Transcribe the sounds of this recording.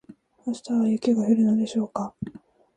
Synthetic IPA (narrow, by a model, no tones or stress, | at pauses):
aɕi̥t̪aβajɯkʲeɡaheɾɯ̟nod̪e̞ɕo̞ːka